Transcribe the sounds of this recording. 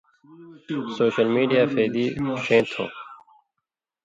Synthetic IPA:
soːɕəlmiːɖijaːfeːd̪iːɕẽːt̪ʰõ̰ː

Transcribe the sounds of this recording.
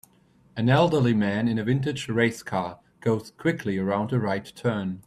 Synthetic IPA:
ɨ̃nɛlˠdə˞limæ̃nɨ̃nɨvɪ̃ntɨ̥d͡ʒɹeɪskʰɑː | ɡ̥oʊz̥kʰw̥ɪkʰliəɹãʊ̃ndəɹaɪtʰɜːn

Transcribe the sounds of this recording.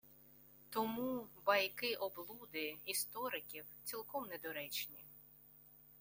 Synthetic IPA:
t̪ɔmubɐjkɪʔɔblˠud̪ɪist̪ɔɾɪkʲiwt͡sʲilˠkɔmnɛd̪ɔɾɛt͡ʃnʲi

